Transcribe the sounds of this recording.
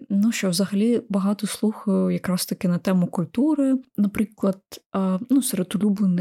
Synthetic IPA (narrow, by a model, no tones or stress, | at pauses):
nuʃt͡ʃɔwzɐɦɐlʲibɐɦɑt̪ɔslˠuxɐjʊjɐkɾɑst̪ɐkɪnɐt̪ɛmʊkʊlʲt̪uɾɪnɐpɾɪklˠɐd̪̥̚nuseɾed̪ʊlʲublˠɪnɪ